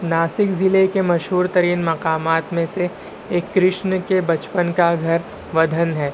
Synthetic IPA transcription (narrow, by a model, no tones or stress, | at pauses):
naːsɪkzɪlekemɐʃɦuːɾt̪ɐɾiːnmɐqaːmaːt̪mẽseː | kːɾɪʃnəkebɐt͡ʃpənkaɡʱɐɾ | ʋɐd̪ʱənɦɛː